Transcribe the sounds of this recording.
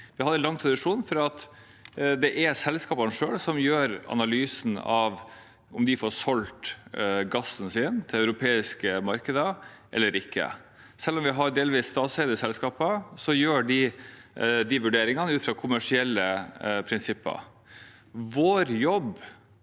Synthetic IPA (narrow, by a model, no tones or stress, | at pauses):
ʋɪhɑd̪ːɛnlɑŋːt̪ʰɾɑd̪ɪʂuːnfɔɾɑt̪ | d̪ɛʔɛsɛlskɑːpɑnʂøːɽsɔmjøːɾɑ̰nɑlyːsn̩ɑʋ | ʔʊmd̪ɪfɔɾsɔlt̪ɡɑsːn̩sɪːnt̪ʰɪlɑʉɾʊpʰeːɪskəmɑɾkəd̪əʔɛ̰lːəɾɪkːə̰ | sɛlːɔmʋɪɦɑɖeːlʋiːsːt̪ɑːt̪sɛɪd̪əsɛlskɑːpəsɔjøːɖɪ | d̪ɪʋʉɖeːɾɪŋɑnəʉːt̪fɾɑːkʰʊmæʂɪɛlːəpʰɾɪnsɪpːə̰ | ʋoːɾjɔb